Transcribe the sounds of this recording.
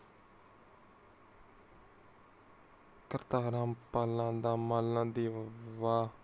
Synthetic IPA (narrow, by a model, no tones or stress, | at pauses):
kəɾt̪aːɾãːmpaːlãːd̪aːmaːlnãːd̪eːʋaː